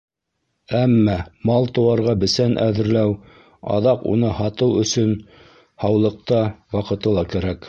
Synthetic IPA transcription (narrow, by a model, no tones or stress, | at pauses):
æmːæmɑlˠt̪ŏwɑɾʁɑbɘ̆sænʔæðɘ̆ɾlæw | ɑ̰ðɑqṵnɤhɑt̪ɤwɵ̆sɵn | hɑwlˠɤ̆q̚t̪ɑwɑqɤ̆t̪ɤ̆lˠɑkæɾæk